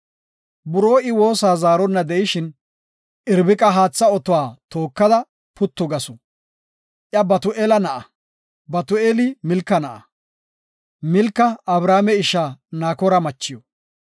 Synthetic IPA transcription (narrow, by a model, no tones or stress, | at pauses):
bʊɾo̞ːɪwo̞ːsaːzaːɾɔnːɐd̪ɛjɪʃɪn | ʔɪɾbɪkʼɐɦaːt͡sːɐɔt̪ɔwaːt̪oːkːɐd̪ɐ | pʊt̪ːɔɡɐsʊ | ʔjɐbɐt̪ʊʔeːlɐnɐʔɐ | bɐt̪ʊeːlɪmɪlkːɐnɐʔɐ | mɪlkːɐɐbɾaːmɛɪʃaːnaːkɔɾɐmɐt͡ʃːɪjɔ